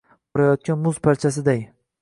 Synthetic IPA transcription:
bɒɾajɒt̪̚kʲanmʊzpʰaɾt͡ʃʰasɪd̪aj

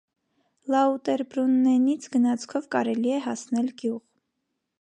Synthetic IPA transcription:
lɑut̪ɛɾbɾunːɛnit͡sʰɡənɑt͡sʰkʰɔvkɑɾɛliɛɦɑsnɛlɡjuʁ

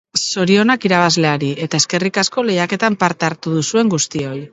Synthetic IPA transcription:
so̞ɾio̞nakiɾaβ̞azle̞aɾie̞t̪aeske̞rikasko̞le̞jake̞t̪ampaɾt̪eaɾt̪uðusue̞ŋɡust̪io̞j

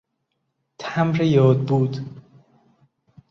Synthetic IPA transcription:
t̪ʰæmɾejɒːd̪̚buːd̪

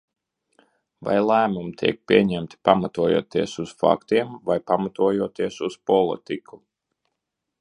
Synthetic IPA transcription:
va̰jlˠæːmumit̪ʰḭɛk̚pʲiɛɲæmt̪i̥pamat̪uɔjṵːt̪iɛsusfa̰kt̪iɛmvajpamat̪uɔjuːt̪iɛsuspɔlˠḭt̪ikʰu

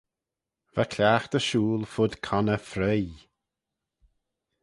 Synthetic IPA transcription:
vakʰlʲaːxt̪əʃuːlfʊd̪kʰanəfɾɛj

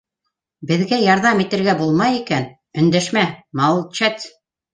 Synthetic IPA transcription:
bɘ̆ðɡæjɑɾðɑmit̪ɘ̆ɾɡæbulˠmɑjikæn | ɵ̆nd̪æʃmæmɑlˠt͡ɕæt̪

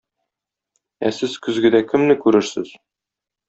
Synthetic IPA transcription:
æsɘzkɵ̆zɡɘ̆d̪ækʰɘ̆mnɘkʉɾɘɾsɘz̥

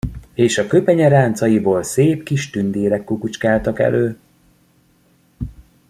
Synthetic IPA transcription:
eːʃɒkøpɛɲɛɾaːnt̪sɒjiboːlseːpkiʃt̪ynd̪eːɾɛkːukut͡ʃkaːlt̪ɒkɛ̰lʔøː

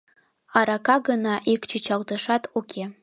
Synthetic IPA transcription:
ɑɾɑkɑɡənɑʔikt͡ɕɨt͡ɕɑlˠt̪ɤʃɑt̪ukʲʰe

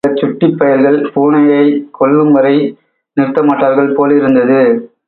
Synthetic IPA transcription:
ɐt͡ʃːʊʈːɪpːɐjɐɾɣɐɭkuːɳɐjɐɪkɔɭːɯmʋɐɾɐɪ | nɪrt̪ːɐmaːʈːaːɾɣɐɭpoːlɪɾɯnd̪ɐðɯ

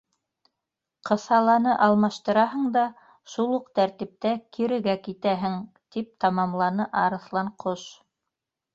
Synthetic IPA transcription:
qɤ̆sɑlˠɑnɤʔɑlˠmɑʃt̪ɤ̆ɾɑɦɤ̆ɴd̪ɑ | ʃulˠuqt̪æɾt̪ip̚t̪ækʰiɾɘ̆ɡækit̪æɦɘŋ | t̪ip̚t̪ɑmɑmlˠɑnɤʔɑɾɤ̆θlˠɑɴqʰoʃ

